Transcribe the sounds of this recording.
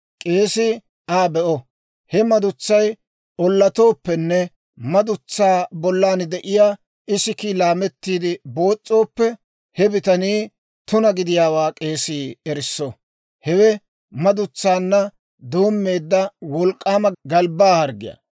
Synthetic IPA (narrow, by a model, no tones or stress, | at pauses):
kʼe̞ːsɪ | ʔaːbɛʔɔ | hɛmɐd̪ʊt͡sːɐj | ʔɔlːɐt̪o̞ːpːɛnːɛ | mɐd̪ʊt͡sːaːbɔlːaːnd̪ɛʔɪjaː | ɪsɪkilaːmɛt̪ːiːd̪ɪbo̞ːt͡sʼːo̞ːpːɛ | hɛbɪt̪ɐniː | t̪ʊnɐɡɪd̪ɪjaːwaːkʼe̞ːsiːɛɾɪsːɔ | hɛwɛ | mɐd̪ʊt͡sːaːnːɐ | d̪oːmːe̞ːd̪ːɐwɔlkʼːaːmɐɡɐlbaːhɐɾɡɪ̰ja̰